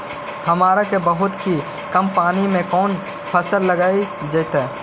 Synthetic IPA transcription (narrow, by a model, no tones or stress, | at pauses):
hɐmaːɾakebəɦʊt̪ki | kəmpaːnimẽkɔːn | pʰəsəlːɐɡaːi | d͡ʒəːt̪ɛː